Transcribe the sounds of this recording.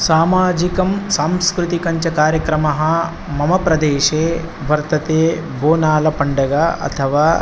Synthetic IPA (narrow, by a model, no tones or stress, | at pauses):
saːmaːd͡ʒikɐmsaːmskɾut̪ikɐɲt͡ʃɐkaːɾjɐkɾɐmɐɦɐ̆ | mɐmɐpɾɐd̪eːʃeː | ʋɐɾt̪ɐt̪eːboːnaːlɐpɐɳɖɐɡaːɐ̰t̪ʰɐʋaː